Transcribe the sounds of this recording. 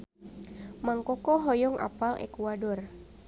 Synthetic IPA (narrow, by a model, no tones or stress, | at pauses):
maŋkɔkɔɦɔjɔŋa̰palʔɛ̰kuadɔr